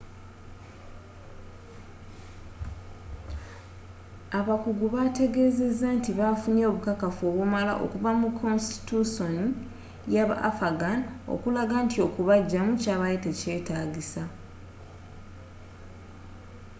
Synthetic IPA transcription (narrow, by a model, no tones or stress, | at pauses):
aβakuɡuβate̞ɡe̞ːze̞zːantiβafunoβukakafoːβumala̰ʔo̰kuvamukʰːo̞nsti̥tuso̞ni | jaβa̰ʔa̰faɡano̰kulaɡantio̞kuβaɟːamucaːβajitece̞ːtaːɟisa